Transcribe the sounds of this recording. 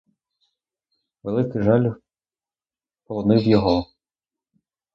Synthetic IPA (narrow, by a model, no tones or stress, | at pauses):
ʋelˠɪkɪʒɑlʲ | pɔlˠɔnɪwjɔɦɔ